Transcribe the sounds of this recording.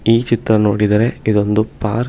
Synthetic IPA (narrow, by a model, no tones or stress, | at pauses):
iːt͡ʃit̪ɾɐno̞ːɽid̪ɐɾe̞id̪o̞nd̪upa̰ːɾ